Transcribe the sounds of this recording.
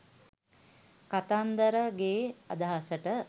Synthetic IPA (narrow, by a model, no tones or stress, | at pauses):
kat̪and̪əɾəɡeːɐd̪aɦasəʈə